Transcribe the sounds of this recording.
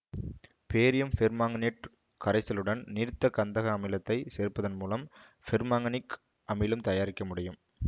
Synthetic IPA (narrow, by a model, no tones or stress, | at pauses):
peːɾɪjɐmfɪɾmaːŋɡɐniʈ | kɐɾɐɪsɪlɯɽɐnniɾt̪ːɐkːɐnd̪ɐɣɐːmɪlɐt̪ːɐɪseːɾpːɐðɐnmuːlɐm | fɪɾmaːŋɡɐnɪk | ʔɐmɐɪlɯmt̪ɐjaːɾɪkːɐmʊɽɪjɯm